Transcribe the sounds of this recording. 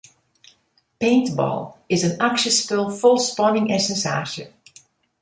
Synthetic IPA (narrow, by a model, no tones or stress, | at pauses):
pẽjntbɔ̰lˠɪzənakʃəspɪlˠfʊlˠspɔnɪŋɛsɛnsa̰ːʃə̰